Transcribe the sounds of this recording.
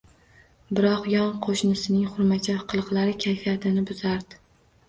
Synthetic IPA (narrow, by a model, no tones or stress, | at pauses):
bɪɾɒqjɒnqʰoʃnɪsɪnɪŋχʊɾmat͡ʃʰafqʰɨlˠɨqlˠaɾɪkʲʰajfijat̪ʰɪnɪbʊzaɾd̪ɪ̥